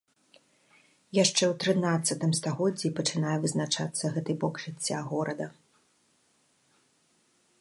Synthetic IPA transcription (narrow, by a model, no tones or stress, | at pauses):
jaʂt͡ʂɛwt̪ɾɨnat̪sːɐt̪ɨmst̪aɣɔd͡zʲːipɐt͡ʂɨnajɛvɨznat͡ʂat̪sːɐɣɛt̪ɨbɔkʐɨt͡sʲːaɣɔɾɐd̪ɐ